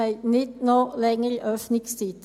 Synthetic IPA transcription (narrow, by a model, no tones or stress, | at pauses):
æɪnɪt̪nolɛŋəɾʔœfnɪŋstiːt̪